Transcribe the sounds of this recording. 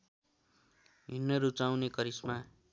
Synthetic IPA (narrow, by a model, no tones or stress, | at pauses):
ɦinːʌɾut͡sawnekʌɾisma